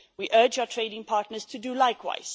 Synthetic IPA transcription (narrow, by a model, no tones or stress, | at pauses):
wiʔɜːd͡ʒaʊətʰɹ̥eɪdɪ̃ŋpʰɑːˑtnəz̥tʰudulaɪkʰwa̰ɪz̥